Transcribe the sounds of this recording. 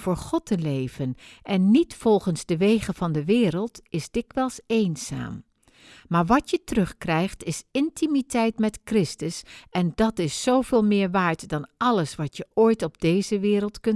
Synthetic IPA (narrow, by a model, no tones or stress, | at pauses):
vʊːɹχɔtəlejvənʔɛnːitfɔlˠχənzdəʋejχəv̥ɑndəʋɪːɾəlˠtɪzdɪkʋɛlˠsejnz̥a̰ːm | maːɹʋɑtjətərɵχkrɛjχtɪsɪntimitɛjtmɛtkrɪstəsʔɛndɑtɪsːowvɪːlˠmɪːɹʋaːɹtdɑnɑləsʋɑtjəʔojtɔb̚dejzəʋɪːɾəlˠtkɵn